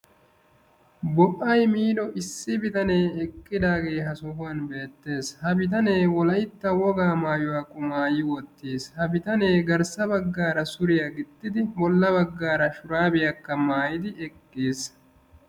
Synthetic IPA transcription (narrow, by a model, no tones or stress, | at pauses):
bɔʔːɐjmiːd̪ɔʔɪsːɪbɪt̪ɐne̞ːɛkʼːɪd̪aːɡe̞ːɦɐsɔhʊɐnbe̞ːt̪ːe̞ːshɐbɪt̪̬ɐne̞ːwɔlɐjɪt̪ːɐwɔɡaːmaːjʊwaːkʼʊmaːjɪwɔt̪ːeːshɐbɪt̪ɐne̞ːɡɐɾsɐbɐɡːaːɾɐsʊɾɪjɐɡɪt̪ːɪd̪ɪbɔlːɐβɐɡːaːɾɐʃʊɾaːbɪjɐkːɐmaːjɪd̪ɪʔɛkʼːeːs